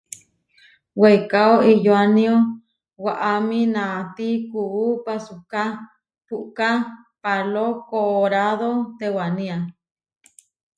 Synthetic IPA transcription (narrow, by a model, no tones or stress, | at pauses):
wejkaoijoanĩo | waʔamĩnãt̪ikuupasuka | puʔka | palokoʔɾaðot̪ewanĩa